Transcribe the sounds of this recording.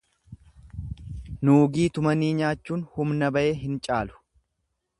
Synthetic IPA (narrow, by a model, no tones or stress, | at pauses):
nuːɡiːt̪ʊmɐniːɲaːt͡ʃːuːnhʊmnɐbɐʔe̞ːɦɪnt͡ʃʼaːlʊ̥